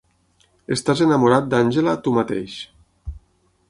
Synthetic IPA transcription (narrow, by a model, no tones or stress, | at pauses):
est̪azenamuɾat̪̚d̪anʲʒelat̪umat̪ḛʃ